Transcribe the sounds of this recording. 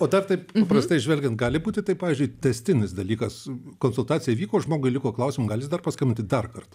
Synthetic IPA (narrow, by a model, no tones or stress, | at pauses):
oːd̪ɐrt̪ɐɪppɐprɐst̪ɐɪʒʲʋʲɛlʲɡʲɛnt̪̚ɡɑːlʲɪbuːt̪ʲɪt̪ɐɪpːɑːʋʲiːzʲd͡ʒʲʊɪt̪ʲɛsʲt̪ʲɪnʲɪsd̪ɐlʲiːkɐskoːnsʊlˠt̪ɑːt͡sʲɪjɛʋʲiːkoːʒmoːɡʊɪlʲɪkoːklˠɐʊsʲɪmʊɡɑːlʲɪsd̪ɐrpɐskɐmʲɪnʲt̪ʲɪd̪ɐrkɐrt̪